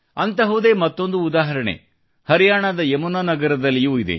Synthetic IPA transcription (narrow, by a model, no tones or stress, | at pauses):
ɐnt̪ɐɦud̪eːmɐt̪ːo̞nd̪uːd̪aːɦɐɾɐɳḛ | hɐɾijaːɳad̪ɐemunanɐɡɐɾɐd̪ɐlːijuːid̪ḛ